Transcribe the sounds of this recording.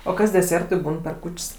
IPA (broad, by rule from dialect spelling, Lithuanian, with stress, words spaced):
oː ˈkɐs dʲɛˈsʲeːrtʊɪ ˈbuːn pʲɛr ˈkuːt͡ʃʲsʲ